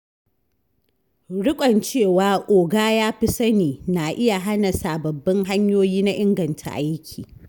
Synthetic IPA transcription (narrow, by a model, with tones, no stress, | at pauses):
ɽʊ˦kʷʼɐ˨nt͡ʃeː˦˨waː˨ʔʷʼoː˨ɡaː˦jaː˦ɸɪ˦sɐ˦niː˨na˨ʔɪ˦ja˨ɦa˦na˨saː˨bɐ˨bːɪ˦ŋɦa˦ɲjoː˦jiː˦na˦ʔɪ˦ŋɡɐ˨ntʰa̰˨ʔa˦jkʲʰiː˨